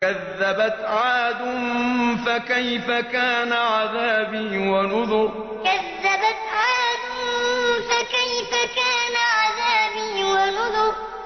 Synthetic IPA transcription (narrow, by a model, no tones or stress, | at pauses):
kaðːabat̪ʕaːd̪ʊnfakajfakaːnaʕaðaːbiːwanʊðʊq | kaðːabat̪ʕaːd̪ʊnfakajfakaːnaʕaðaːbiːwanʊðʊq